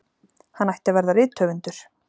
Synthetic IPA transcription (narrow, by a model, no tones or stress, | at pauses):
hanːajht̪ɪavɛɾðaɾɪːt̪ʰːœːvʏnt̪ʏɾ̥